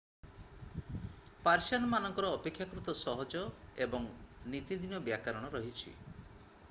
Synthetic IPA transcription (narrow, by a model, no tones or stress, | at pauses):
paɾsanmanɔŋkɔɾɔːpekʰːjakɾut̪ɔsɔɦɔd͡ʒɔebɔŋnit̪id̪inɔbjakaɾɔɽ̃ɔɾɔɦit͡ʃʰḭ